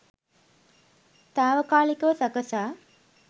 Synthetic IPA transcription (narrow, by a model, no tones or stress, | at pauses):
t̪aːʋəkaːlikəʋəsɐkəsaː